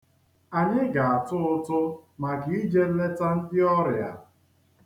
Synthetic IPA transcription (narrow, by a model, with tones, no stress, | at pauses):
a˨ɲɪ˦ɡa˨a˨tʊ˦ʊ˦tʊ˦ma˨ɡi˨i˦d͡ʒe˦le˦ta˦n̩˦dɪ˦ɔ˦ɾɪ˨a̰˨